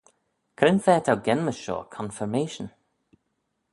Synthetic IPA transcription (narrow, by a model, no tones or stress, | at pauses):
kʰɾɪnfɛːtʰawɡɛnməʃo̰ːkʰɔ̃nfəɹmeːʃə̃n